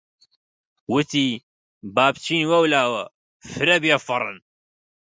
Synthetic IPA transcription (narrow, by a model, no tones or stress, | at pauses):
wʊt̪iː | baːb̚t͡ʃʰiːnwɐwlaːwɐ | fɨɾɐbjafɑɾˤɨ̰n